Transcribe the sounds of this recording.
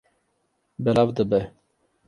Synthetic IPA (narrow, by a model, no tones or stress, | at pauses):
bɛlɑvd̪əbɛ